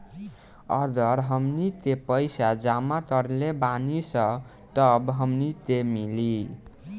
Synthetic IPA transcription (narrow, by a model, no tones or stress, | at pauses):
ʌɾd̪ʱʌɾɦʌmnit̪epʌjsad͡zamat̪ʌɾlebanisʌ | ʈʌbɦʌmnit̪emili